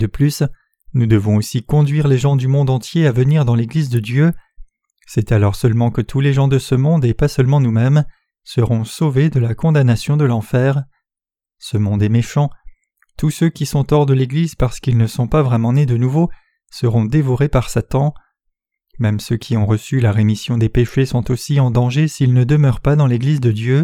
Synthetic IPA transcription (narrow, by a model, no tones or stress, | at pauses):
d̪əplys | nud̪əvɔ̃osikɔ̃d̪ɥiʁleʒɑ̃d̪ymɔ̃d̪ɑ̃t̪jeavəniʁd̪ɑ̃leɡlizd̪əd̪jø | sɛt̪alɔʁsœlmɑ̃kət̪ʰuleʒɑ̃d̪əsəmɔ̃d̪epasœlmɑ̃numɛm | səʁɔ̃soved̪əlakɔ̃d̪anasjɔ̃d̪əlɑ̃fɛːʁ | səmɔ̃d̪ɛmeʃɑ̃ | t̪usøkʲisɔ̃t̪ɔʁd̪əleɡlizpaʁsə̥kilnəsɔ̃pavʁɛmɑ̃ned̪ənuvo | səʁɔ̃d̪evɔʁepaʁsat̪ɑ̃ | mɛmsøkʲʰiɔ̃ʁəsylaʁemisjɔ̃d̪epeʃesɔ̃t̪osiɑ̃d̪ɑ̃ʒesilnəd̪əmœʁpad̪ɑ̃leɡlizd̪əd̪jø